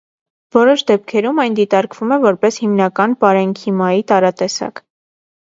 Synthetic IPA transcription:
vɔɾɔʃd̪ɛp̚kʰɛɾumɑjnd̪it̪ɑɾkvumɛvɔɾpɛshimnɑkɑnpɑɾɛŋkʰimɑjit̪ɑɾɑt̪ɛsɑ̰k

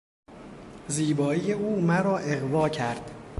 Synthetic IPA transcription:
ziːbɒːijeuːmæɾɒːʔeɣvɒːcʰæɾd̪̥

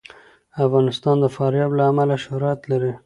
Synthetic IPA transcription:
afɣɑnɪst̪ɑnd̪əfɑɾjɑblaːmalaʃʊhɾat̪laɾi

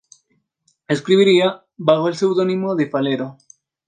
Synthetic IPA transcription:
eskɾiβiɾia | baɣoelsewðonimoðefaleɾo

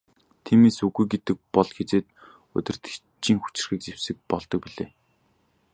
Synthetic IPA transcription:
t̪ʰiːmeːsuɣujɡet̪ɘ̆k̚pɔɮxet͡seːt̪̚ | ɵ̰t̪ʲɪ̆r̥t̪ʰe̥ | t͡ɕiːŋxu̥t͡ɕɪ̥̆rxiːk̚t͡sewsɘ̆k̚pɔɮt̪ɞ̆k̚piɮḛː

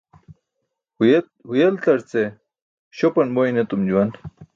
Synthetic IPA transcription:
hujelt̪ɐɾt͡se | ɕopɐnbojnet̪umd͡ʑuwɐn

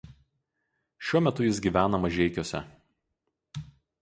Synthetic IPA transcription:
ʃʲuɔmʲɛt̪ʊjɪsɡʲiːˑʋʲæːnɐmɐʒʲɛɪkʲuːsʲɛ̰

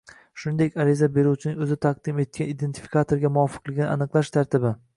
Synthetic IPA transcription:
ʃʊnɪd̪ekʲaɾizabe̞ɾuwt͡ʃʰɪnɪŋɵzɪt̪ʰaq̚d̪ɪme̞t̪̚kʲanid̪e̞nt̪ʰɪ̥fi̥kʰat̪ʰoɾɡʲamʊɒfɨ̥qlˠɪɡʲɪnɪʔa̰nɨqlˠaʃt̪ʰaɾt̪ʰɪbɪ

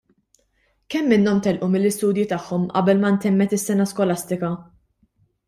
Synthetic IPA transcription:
kɛmːɪnːɔmt̪ɛlʔumɪlːɪst̪uːd̪jit̪ɐħːɔmʔɐ̰bɛlmɐnt̪ɛmːɛt̪ɪsːɛnɐskɔlɐst̪ɪkɐ

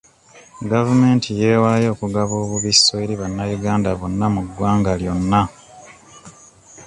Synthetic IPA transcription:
ɡavume̞ːntʰije̞ːwaːjo̞ːkuɡaβo̞ːβuβisːoeɾiβanːajuɡaːndaβonːamuɡwaːŋɡaljo̞nːa

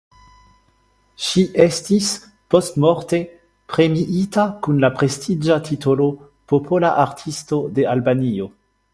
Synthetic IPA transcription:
ʃiʔestis | po̞stmoʁte̞ | pʁe̞miʔitakunlapʁe̞stʰid͡ʒatʰitolo̞ | popʰolaʔaɾtʰisto̞de̞albanio̞

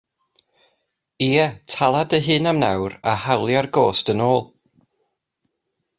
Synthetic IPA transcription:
iːɛtʰalˠadəɦɨːnamnawɾa̰hawlˠjarɡoːstənoːlˠ

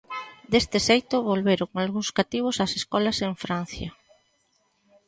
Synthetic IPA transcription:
d̪est̪ɪsejt̪ʊβolβeɾʊkŋalɣuŋskat̪iβ̞ʊsaseskɔlɐseɱfɾan̟θjɐ̰

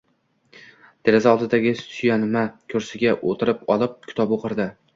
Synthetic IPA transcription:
d̪̥eɾɪzaɒlˠd̪ɪd̪aɡʲɪsʊjanɪmakʲʰɵɾsɪɡʲaʔot̪ʰɪɾɪpɒlˠɪp̚ʲkʲʰɪ̥t̪ʰɒpoqʰɨɾd̪ɪ

